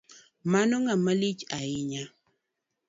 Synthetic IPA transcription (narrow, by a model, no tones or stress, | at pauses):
manoŋaməlit͡ʃaiɲa